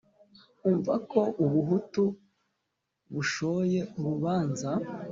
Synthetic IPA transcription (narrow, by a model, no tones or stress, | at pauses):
uːɱvako̞ʔuβuɦutu | βuʃo̞je̞uɾuβaːnza